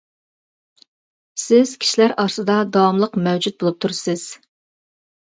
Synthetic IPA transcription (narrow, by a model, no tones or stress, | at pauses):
sɪz̥kʲʰi̥ʃilæɾɑɾsɨd̪ɑd̪ɑwɑmlˠəqmæwd͡ʒut̪̚bolˠup̚t̪ʰuɾsɪz̥